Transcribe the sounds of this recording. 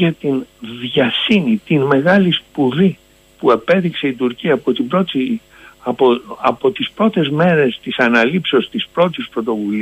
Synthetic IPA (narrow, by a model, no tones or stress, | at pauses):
ʝɐt̪inðʝɐsinit̪inme̞ɣɐlispuði | puepe̞ðikse̞it̪uɾciɐːpot̪ibɾot̪ | ɐpo̞t̪ispɾo̞t̪e̞zme̞ɾe̞st̪isɐnɐlipseo̞st̪ispɾo̞t̪ispɾo̞t̪o̞vuli